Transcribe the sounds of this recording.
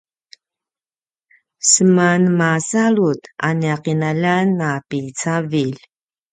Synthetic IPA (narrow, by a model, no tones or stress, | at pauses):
səmanmasaɭut̪aniaqinalanːapit͡savil